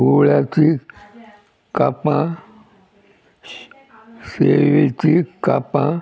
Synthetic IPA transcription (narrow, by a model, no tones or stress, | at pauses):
ulati | kapã | seʋitikapã